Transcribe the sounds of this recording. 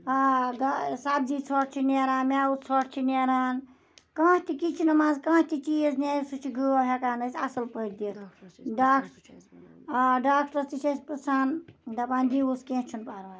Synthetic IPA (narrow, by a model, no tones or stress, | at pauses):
aɡasaːbd͡ʒiːt͡sʰɔːʈt͡ʃʰineɾaːnmʲaːut͡sʰɔʈt͡ʃʰineɾaːn | kãːt̪ikit͡ʃʰinɐmãːzkãːt̪it͡ʃizneːjsut͡ʃʰiɡɨɦekaːnəsʰɐsəlpəiʈd̪it̪ʰɖaːk | ɖaːk̚ʈɐɾt̪it͡ʃʰespɾɐsʰaːnd̪ɐpãːnd̪iuskẽt͡ʃʰunpaːɾaː